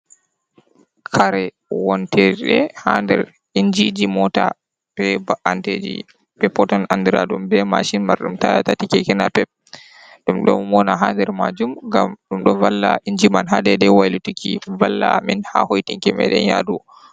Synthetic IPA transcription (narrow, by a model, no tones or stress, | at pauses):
kʰaɾɛ | wɔntɛɾɗɛhandɛɾ | iɲd͡ʒid͡ʒimɔta | b̥ɛbaʔanted͡ʒḭ | bɛpːɔtɔnandiɾaɗumbɛmaʃinmaɾɗumtaatatikɛkɛnapɛp̚ | ɗumɗɔmɔnaɦandɛɾmad͡ʒumɡamɗumɗɔvalːaiɲd͡ʒimanɦaɗɛdɛwajlutikʰivalːaminhahojtiŋkɛmɛ̰ɗɛ̰jadu